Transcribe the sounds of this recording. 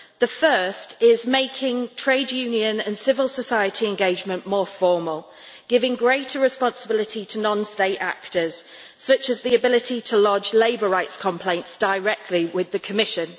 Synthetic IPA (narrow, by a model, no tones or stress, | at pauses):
ðəfɜˑstɪzmeɪkʰɪ̃ŋtʰɹ̥eɪdjʉːnjiə̃nə̃nsɪvəlˠsəsaɪətʰiɛ̃nɡeɪd͡ʒmə̃nmɔːfɔːməlˠ | ɡ̥ɪvɪ̃ŋɡɹeɪtʰəɹɪspɒ̃nsəbɪlɪtʰitʰənɒ̃nsteɪta̰k̚təz̥ | sʌt͡ʃəzðiəbɪlɪtʰitʰəlɒd͡ʒleɪbəɹaɪtskʰɒ̃mpʰl̥ẽɪ̃ntsd̥əɹɛk̚tʰˡliwɪðəkʰəmɪʃə̃n